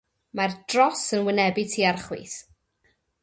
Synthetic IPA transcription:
mard̥rɔsənwɪnɛbɪtʰiːarχwḭːθ

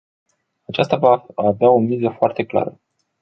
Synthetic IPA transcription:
at͡ʃast̪avaaveao̞mizəfoart̪e̞kla̰ɾə

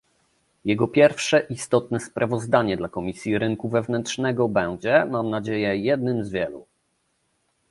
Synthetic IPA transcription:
jɛɡɔpʲjɛɾfʂɛʔist̪ɔt̪nɛspɾʔavɔzd̪aɲɛd̪lakɔmʲisʲjiɾɘŋkuvɛvnɛntʂnɛɡɔbɛw̃d͡ʑɛmamnad͡ʑejɛjɛd̪nɘmzvʲjɛlṵ

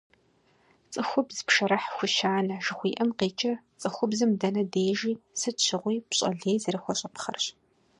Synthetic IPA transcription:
t͡sʼɨxʷʊbzɨpʂɐɾɐħxʷʊʃaːnɐʒɨxʷiːʔɐmqeːt͡ʃʼɐt͡sʼɨxʷʊbzɨmdɐnɐdeːʒiːsɨɕʰɪʁʷiːpɕʼɐ̰ɮeːjzɨɾɨxʷɔɕʼɐpχɐrɕ

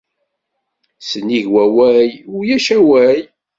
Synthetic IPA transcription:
səniʝwæwæjʊjæʃæwæj

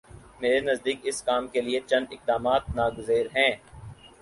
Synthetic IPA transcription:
meːɾenɐzd̪iːkɪskaːmkeliet͡ʃɐ̃nd̪ɪq̚d̪aːmaːt̪̚naːɡʊzeːɾɦɛ̃ː

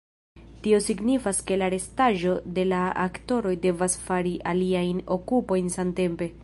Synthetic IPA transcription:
tio̞siɡnifaske̞laɾe̞staʒo̞de̞laa̰kto̞ɾo̞jde̞vasfaɾiʔaliajno̞kupo̞jnsamte̞mpe̞

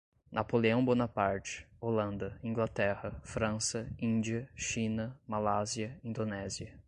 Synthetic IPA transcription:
nʔapoleɐ̃w̃bonɐpaɾt͡ʃɪ̥olɐ̃nd̪ɐĩŋɡlat̪ɛhɐfɾɐ̃sɐĩd͡ʒiɐʃĩnɐmalaziɐĩnd̪onɛziɐ

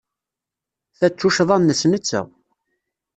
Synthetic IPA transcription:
θæt͡sːuʃðˤɑmnːəsnət͡sːæ̰

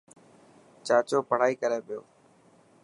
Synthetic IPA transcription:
t͡ʃaːt͡ʃoːpəɽ̤aːiːkəɾeːpɪjoː

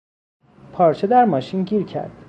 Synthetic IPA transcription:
pʰɒːɾt͡ʃʰed̪æɾmɒːʃinɟiːɾcʰæ̰ɾd̪̥

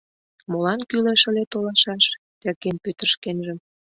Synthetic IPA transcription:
molɑnkyleʃə̆let̪olɑʃɑʃ | t̪erɣenpøt̪ə̆rʃkenʒə̆m

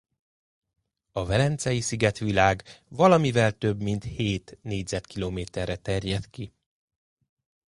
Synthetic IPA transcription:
ɒvɛlɛnt̪sɛjisiɡɛt̪ʋilaːɡvɒlɒmivɛlt̪ø̞bmint̪heːt̪neːɟzɛt̪kiloːmeːt̪ɛrːɛt̪ɛrjɛt̪ki

